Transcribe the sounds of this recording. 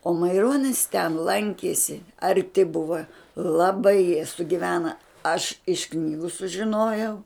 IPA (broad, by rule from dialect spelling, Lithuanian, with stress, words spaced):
oː mɐɪˈroːnʲɪs tʲɛn ˈlˠɐŋʲkʲiɛsʲɪ ɐrʲˈtʲɪ ˈbʊʋɐ lˠɐˈbɐɪ jiɛ sʊɡʲɪˈʋʲæːnɐ ɐʃ ɪʃ ˈknʲiːɡʊ sʊʒʲɪˈnoːjɛʊ